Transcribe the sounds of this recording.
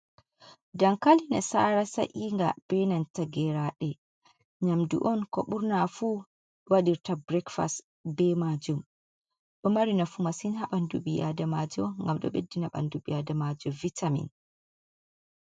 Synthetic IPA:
daŋkalinɛsaɾasa̰ʔiŋɡab̥ɛnantaɡɛɾaɗɛ | ɲamdṵʔɔnkɔ̰ɓuɾnafu | waɗiɾtabɾɛkfa̰st | bɛmad͡ʒum | ɗɔmaɾinafumasinhaɓanduɓija̰damad͡ʒɔŋɡamɗɔ̰ɓedːinaɓa̰nduɓiadamad͡ʒɔvitʰamḭn

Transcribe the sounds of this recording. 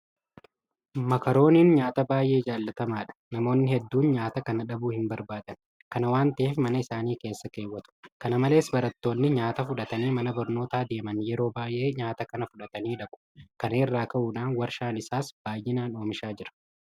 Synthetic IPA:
mɐkɐɾo̞ːniːnɲaːt̪ɐbaːjʔe̞ːd͡ʒaːlːɐt̪ɐmaːᶑɐ̥nɐmo̞ːnːɪhɛd̪ːuːnɲaːt̪ɐkɐnɐᶑɐbuːhɪmbɐɾbaːd̪ɐn | kɐnɐwaːnt̪ɐeːfmɐnɐɪsaːniːke̞ːsːɐke̞ːwːɐt̪ʊ̥kɐnɐmɐle̞ːsbɐɾɐt̪ːo̞ːnːɪɲaːt̪ɐfʊᶑɐt̪ɐniːmɐnɐbɐɾno̞ːt̪aːd̪e̞ːmɐnjɛɾo̞ːbaːjʔe̞ːɲaːt̪ɐkɐnɐfʊᶑɐt̪ɐniːᶑɐkʼʊ̥kɐneːrːaːkɐʔuːᶑaːnwɐɾʃaːnɪsaːsb̥aːjːɪnaːno̞ːmɪʃaːd͡ʒɪɾɐ̥

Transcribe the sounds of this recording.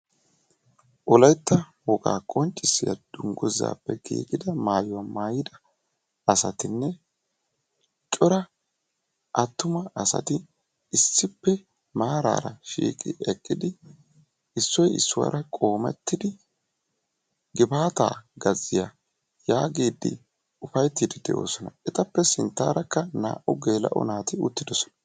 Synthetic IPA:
ʔɔlɐjt̪ːɐ | wɔkʼa̰ːkʼɔnt͡ʃʼːɪsːɪjɐ̰d̪̥ʊŋɡɔzːa̰ːpːɛɡḭːkʼɪd̪ɐmaːjʊwɐmaːjɪd̪ɐ | ɐsɐt̪ɪnːɛ | t͡ʃʼɔɾɐ | ʔɐt̪ːʊmɐʔɐsɐ̰t̪ɪ | ɪsːɪpːɛ | maːɾa̰ːɾɐʃḭːkʼɪ̰ɛkʼːɪd̪ɪ | ɪsːɔjɪ̰sːʊwa̰ːɾʔɐkʼo̞ːmɛ̰t̪ːɪd̪ɪ | ɡɪbaːt̪a̰ːɡɐzːɪja | jaːɡiːd̪ːɪ̰ | ʊfɐjt̪ːid̪ɪd̪ɛʔo̞ːsɔnɐɛt̪ɐpːɛsɪnt̪ːa̰ːɾɐkːɐna̰ːʔʊɡe̞ːlɐ̰ʔɔ̰naːt̪ɪʊt̪ːɪd̪ɔsɔ̥nɐ̥

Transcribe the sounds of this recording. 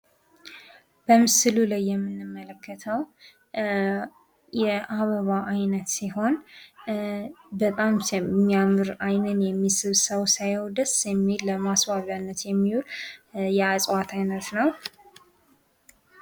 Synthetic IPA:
b̥əmɨsɨlulajːɛmːɨnːɨmːələkːət̪ʰəw | jɛʔaβəβaʔajnət̪siho̞n | bət̪ʼammːiamɨɾajnɨnjɛmːisɨβsəwsajwd̪əsɛmːilːəmaswaβanːət̪jɛmːiwuljɛasʼwat̪ʰajnət̪nəw

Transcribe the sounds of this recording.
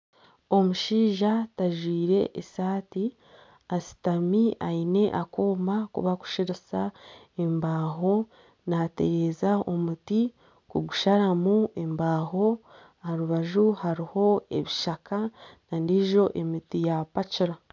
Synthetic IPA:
o̞muʃiːʒataʒwiːɾe̞̰ʔesaːti | asi̥tamiaine̞ʔakoːmbakṵβaku̥ʃiɾisa | embaːɦo̞ | naːte̞ɾe̞zaomuti | kuɡuʃaɾamue̞mbaːho̞ | ahaɾuβaʒuhaɾiho̞e̞̰βiʃakanandiʒo̞ʔe̞mitijapat͡ʃiɾa

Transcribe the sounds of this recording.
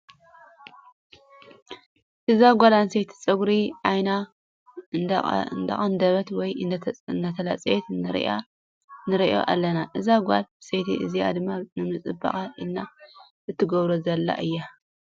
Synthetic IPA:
ʔɨzaɡʷalansejt̪ʰi̥t͡sʼɐɡɾiʕajna | nd̪ɐ̰χʼɐnd̪ɐβɐt̪wɔjɨnd̪ɐt̪ʰɐla̰t͡sʼjet̪nɨɾ̰a̰ | nɨɾiʔo̞̰ʔa̰lːɐnaʔɨzaɡʷa̰lbɨsejt̪ʰḭʔɨ̰zia̰d̪ɨmːanɨmɨt͡sʼɨbɐ̰χʼaʔilnːa | ɨt̪ʰːɨɡɐβɾozɐlːa̰ʔɨjːa

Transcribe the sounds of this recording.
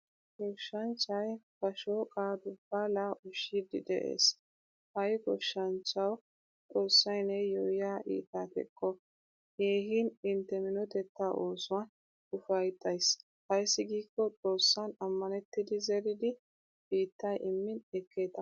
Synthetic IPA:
ɡɔʃːɐnt͡ʃːɐjfɐʃokʼaːd̪ʊb̥ːaːlɐʔʊʃid̪ɪd̪ɛ̰ʔḛːs | hɐjɡɔʃːɐnt͡ʃːɐw | t͡sʼo̞ːsːɐjnɛjɔjaːʔḭːt̪ːaːt̪ɛ̰kʼːɔ | heːɦinɪnt̪ːɛmɪnɔt̪ɛt̪ːaːʔoːsʊwɐn | ʊfɐjt̪ʼːɐjs | hɐjsːɪɡiːkːɔt͡sʼo̞ːsːɐnɐmːɐnɛt̪ːɪd̪ɪzɛɾɪd̪ɪ | iːt̪ːɐjʔɪmːɪnɛkʰːe̞ːt̪ɐ

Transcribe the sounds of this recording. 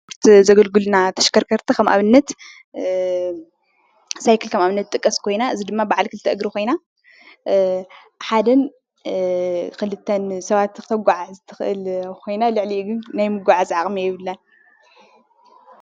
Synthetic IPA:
ɾt̪zɐɡɐlɡɨlnat̪ʰɐ̥ʃkʰɐɾkʰɐɾt̪ʰikʰɐmʔa̰βɨnːɐt̪ | sajkʰɨlkʰɐmaβɨnːɐt̪̚t̪ʼɨkʼːɐskʰo̞jnaɨzid̪ɨmːabaʕalkʰɨlɨt̪ʰɐʔɨɡɾikʰo̞jna | ħad̪ɐn | kʰɨlɨt̪ʰːɐnsɐβat̪kɨt̪ʰɐɡʷaʕazt̪ʰɨ̥xʔɨ̰lkʰo̞jnalɨʕliʔuɡɨnnajmɨɡʷaʕazʕaχʼmijɪβɨlːɐn

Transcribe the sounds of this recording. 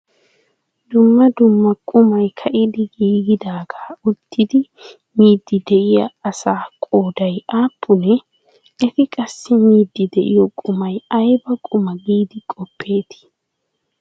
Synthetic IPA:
d̪ʊmːɐd̪ʊmːɐkʼʊmɐjkʰɐʔɪd̪ɪɡiːɡɪd̪aːɡaːʊt̪ʰːɪd̪ɪ | miːd̪ːɪd̪ɛʔɪjɐɐsaːkʼo̞ːd̪ɐjaːpʰːʊnɛ | ɛt̪ɪkʼɐsːɪmiːd̪ːɪd̪ɛʔɪjɔkʼʊmɐjɐjbɐkʼʊmɐɡiːd̪ɪkʼɔpʰːe̞ːt̪ɪ̥

